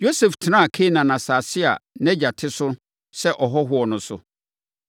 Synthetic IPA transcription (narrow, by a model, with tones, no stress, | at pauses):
jo˦sɛ˨ftʰɪ˨nã˦˨kʰe˦nã˨nã˨saː˨sɪ˦a̰˨nɛ̃˦d͡ʑa˨tʰɪ˦sʊ˦ | sɛ˦ʔɔ˨ɦɔ˦ɦʊ˦ɔ˨nʊ̃˨sʊ̰˨